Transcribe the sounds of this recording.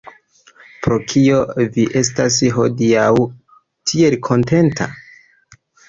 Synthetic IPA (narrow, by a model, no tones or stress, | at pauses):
pɾo̞kʰio̞viʔe̞s̬tas̬ɦo̞̰diaw | tʰie̞lkʰo̞nte̞ntʰa̰